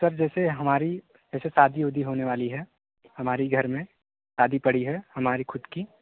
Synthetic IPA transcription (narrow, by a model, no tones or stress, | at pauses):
wɐɾd͡ʒɛːseɦɐmaːɾi | ɛːsesaːd̪ʱijoːd̪ʱiɦoːneʋaːliɦɛː | hɐmaːɾiɡʱɐɾmẽ | saːd̪ʱipɐɽiɦɛhɐmaːɾixʰʊd̪ki